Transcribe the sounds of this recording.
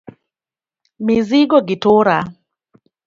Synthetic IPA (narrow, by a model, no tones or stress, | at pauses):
miziɡɔɡitʰoɾa